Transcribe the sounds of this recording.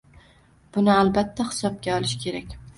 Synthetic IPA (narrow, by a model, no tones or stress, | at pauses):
b̥ʊnɪalbat̪ʰːahɪ̥sɒp̚ɡʲaɒlˠɪʃkʲʰe̞ɾakʲ